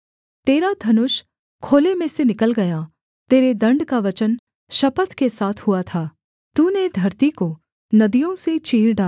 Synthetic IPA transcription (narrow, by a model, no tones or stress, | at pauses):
t̪eːɾad̪ʱɐnʊʃ | kʰoːlemẽsenɪkəlɡɐja | t̪eːɾed̪ɐ̃ɳɖkaʋɐt͡ʃən | ʃɐpət̪kesaːt̪ʰɦʊat̪ʰaː | t̪uned̪ʱɐɾt̪iko | nɐd̪ijõset͡ʃiːɾɖaː